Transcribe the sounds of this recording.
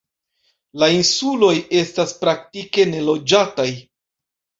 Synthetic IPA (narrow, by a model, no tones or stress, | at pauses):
lainsulo̞je̞staspɾak̚tike̞ne̞lo̞d͡ʒataj